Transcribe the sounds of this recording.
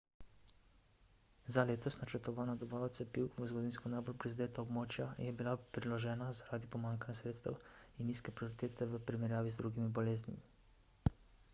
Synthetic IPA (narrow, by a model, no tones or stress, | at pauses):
zaleːt̪ɔsnat͡ʃəɾt̪ɔʋaːnad̪ɔbaɔt̪sɛpiwʋəzɡɔd̪inskɔnajbolpɾizad̪eːt̪aɔbmoːt͡ʃjajɛbilapɾilɔʒɛːnazaɾaːd̪ipɔmaŋkanjasɾeːt̪st̪ə̰winːiskɛpɾioɾit̪eːt̪ɛʋəpɾimɛɾjaːʋizd̪ɾuɡimibɔleːznḭmi